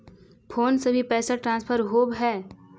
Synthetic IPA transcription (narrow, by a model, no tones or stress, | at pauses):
pʰoːnsebʱipɛːsaʈɾãːnspʰəɾɦoːbɦɛː